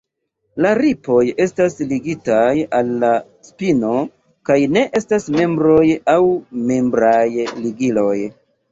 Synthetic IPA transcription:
laɾipo̞je̞stasliɡitajalːa | spino̞ | kajne̞ʔe̞stasme̞mbɾo̞jawme̞mbɾajliɡilo̞j

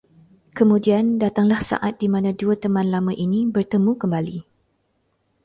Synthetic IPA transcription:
kəmũdiandat̪aŋlahsa̰ʔat̪̚dimãnãduət̪əmãnlamãʔinĩbərt̪əmũkəmbali

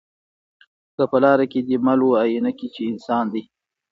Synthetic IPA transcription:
kəpəlɑɾaked̪imaloajinakit͡ʃeɪnsɑːnd̪i

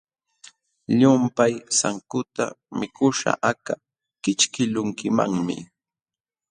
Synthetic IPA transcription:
ʎʊmpajsaŋkʊt̪a̰mɪkʊʃa̰ʔaka | kɪt͡ʃkɪlʊŋkɪma̰ŋmɪ̰

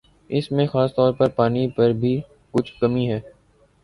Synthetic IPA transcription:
ɪsmẽxaːst̪ɔːɾpɐɾpaːnipɐɾbʱiː | kʊt͡ʃʰkəmiɦɛː

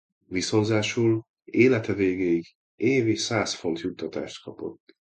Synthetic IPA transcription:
viso̞nzaːʃuːl | eːlɛt̪ɛveːɡeːiɡ | eːveːʃsaːsfo̞nt̪jut̪ːɒt̪a̰ːʃt̪kɒpo̞̰t̪ː

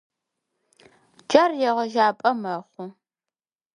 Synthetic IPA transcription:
d͡ʒɐrjɛʁɐʒaːpʼɐmɐχʷʊ

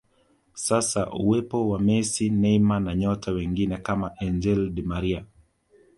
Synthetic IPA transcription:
sasaʔuwɛpɔwamɛsinɛimanaɲɔtʰawɛŋɡinɛkamaʔɛɲd͡ʒɛldmaɾia

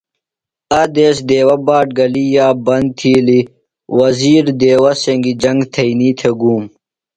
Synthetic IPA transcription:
ɐd̪eːsd̪eːwɐbaːʈ̚ɡɐlijaːbɐnd̪̚t̪ʰiːli | wɐziːɾd̪eːwɐseŋɡid͡ʑɐŋɡt̪ʰɐiniːt̪ʰeɡuːm

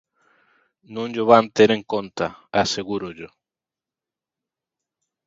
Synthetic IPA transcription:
nõnʎoβant̪eɾẽŋkõnt̪aaseɣuɾoʎo

